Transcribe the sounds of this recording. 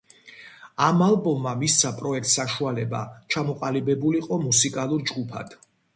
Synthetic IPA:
amalˠbɔmːamist̪sʰapʼɾɔɛk̚t̪saʃualɛba̰t͡ʃʰamɔqʼalibɛbuliqʼɔmusikʼalˠuɾd͡ʒɡupʰa̰d̪̥

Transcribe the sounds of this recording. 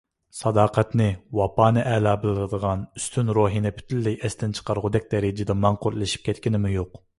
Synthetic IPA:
sɑd̪ɑːqʰɛt̪nɪwɑpɑːnɨʔɛlɑːbɨlˠɾɨd̪əʁɑnyst̪ʰynɾoːɦinɪpʰy̥t̪ʰylːɛjʔɛst̪ɪnt͡ʃʰə̥qɑɾʁʊd̪ɛk̚ʲd̪ɛɾɪd͡ʒɪd̪ɛmɑɴqʊɾlˠɨʃi̥p̚kʲɛt̪kʲinɪmɪjoq

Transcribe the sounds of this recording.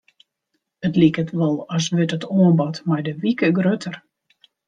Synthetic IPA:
ətlikətʋɔlˠɔsʋɪtətoənbɔtmajdəʋikəɡrøtʰər

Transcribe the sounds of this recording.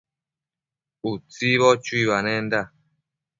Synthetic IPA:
ut͡siβɔt͡ʃuiβanɛnda

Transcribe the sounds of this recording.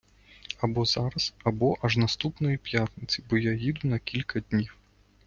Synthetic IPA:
ɐbɔzaɾɐzɐbɔʔɐʐnɐst̪upnɔjipjat̪nɪt͡sʲibɔjajid̪ʊnɐkʲilʲkɐd̪ʲnʲiw

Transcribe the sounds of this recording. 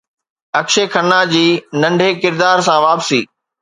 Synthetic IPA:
ɐkʃekʰɐnːad͡ʑiːnɐ̃ɳɖʱekɪɾd̪aːɾsãʋaːpsḭː

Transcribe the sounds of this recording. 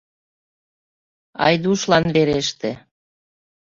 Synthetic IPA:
ɑ̰jd̪uʃlɑnβeɾeʃt̪e

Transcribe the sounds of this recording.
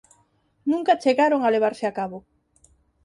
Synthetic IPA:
nũŋkat͡ʃeɣaɾoŋaleβ̞aɾsɪakaβoʊ

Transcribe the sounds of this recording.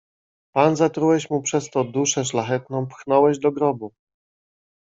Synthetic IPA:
panzat̪ɾuwɛɕmupʂɛst̪ɔd̪uʂɛʂlaxɛt̪nɔ̃w̃pxnɔwɛʑd̪ɔɡɾɔbu

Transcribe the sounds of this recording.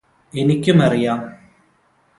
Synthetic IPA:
enikʲːumɐrijaːm

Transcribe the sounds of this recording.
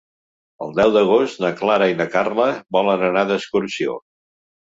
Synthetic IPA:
ə̰lˠd̪ɛwd̪əɣ̞ost̪nəklaɾəinəkarləβɔlənənaðəskuɾsio̰

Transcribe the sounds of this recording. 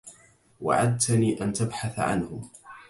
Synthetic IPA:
wa̰ʕad̪̚t̪aniːʔant̪abħaθaʕa̰nhʊ

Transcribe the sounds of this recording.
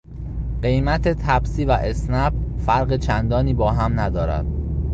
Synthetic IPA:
ɢ̥e̞jmæt̪ʰet̪ʰæbsiːvæʔesnæbfæɾɢet͡ʃʰænd̪ɒːniːbɒːɦæmnæd̪ɒːɾæ̰d̪̥̚

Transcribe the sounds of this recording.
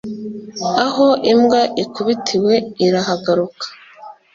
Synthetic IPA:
aɦoʔimɡaʔikuβitʰiwe̞iɾaɦaɡaɾukḁ

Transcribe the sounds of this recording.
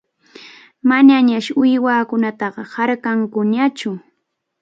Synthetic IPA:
maɲaɲaʃʊjwaːkʊnat̪ɑɢɑhaɾkaŋkʊɲat͡ʃʊ

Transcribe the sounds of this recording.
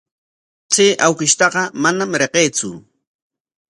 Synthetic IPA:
t͡seːʔawkɪʃt̪ɑɢɑmanamɾeqeːt͡sʊ̰

